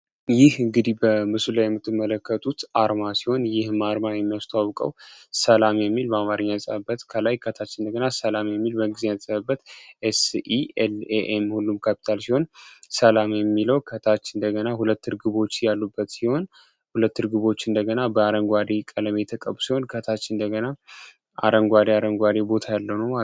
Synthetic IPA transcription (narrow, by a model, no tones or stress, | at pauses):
jɪhɨŋɡɨd̪ibəmɨsulajɛmːɨt̪ːɨmːələkːət̪ʼʰut̪ʔaɾmasi̥ho̞njɪhmaɾmajɛmːijast̪ʰwawkʼə̰wsəlamjɛmːilbəamaɾəɲːansʼəəbət̪kʰəlajkʰət̪ʰat͡ʃːɨnd̪əɡənasəlamjɛmːilbəɡɨzejasʼəβəbːət̪ʔɛsieleʔemhulːumkʰapʰi̥t̪ʰalsiho̞nsəlamjɛmːiləwkʰət̪ʰat͡ʃːɨnd̪əɡənahulət̪ːɨɾɡɨβo̞t͡ʃːjalːubːət̪siho̞n | hulət̪ːɨɾɡɨβo̞t͡ʃːɨnd̪əɡənabəaɾəŋɡʷad̪ekʼələmet̪ʰəkʼəbusiho̞nkʰət̪ʰat͡ʃːɨnd̪əɡəna | ʔa̰ɾəŋɡʷad̪eaɾəŋɡʷad̪ebo̞t̪ʰajalːəwnə